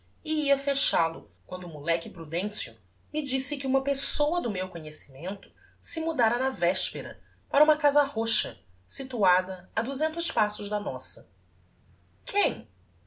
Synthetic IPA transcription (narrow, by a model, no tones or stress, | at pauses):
iiɐfeʃalʊkwɐ̃nd̪ʊmulɛkɪpɾud̪ẽsiʊ̰ | mɪd͡ʒisɪkɪũmɐpesowɐd̪ʊmewkoɲesi̥mẽnt̪ʊ̥ | sɪmud̪aɾɐnɐvɛʃpeɾɐ̰ | paɾɐũmɐkazɐhoʃɐsit̪uad̪ɐɐd̪uzẽnt̪ʊʃpasʊʒd̪ɐnɔsɐ | kʰẽj̃